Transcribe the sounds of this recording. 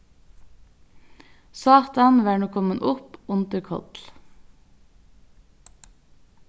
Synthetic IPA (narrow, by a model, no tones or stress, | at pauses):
sɑːt̪ɑnʋæːɳuːkʰɔmənʔʊpʊnt̪əɾkʰɔ̰t̪l̩